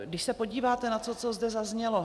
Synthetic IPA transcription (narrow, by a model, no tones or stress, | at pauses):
ɡdɪʃsɛpo̞ɟiːvaːt̪ɛnat͡sot͡sozdɛzazɲɛlo